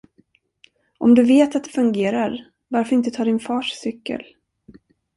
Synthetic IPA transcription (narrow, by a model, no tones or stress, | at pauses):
ʔɔmd̪ɵveːt̪at̪̚d̪ɛfɵŋɡeːɾaɾ | vaɾfœɾɪnt̪ət̪ʰɑːɖɪnfɑːʂsʏkːə̰l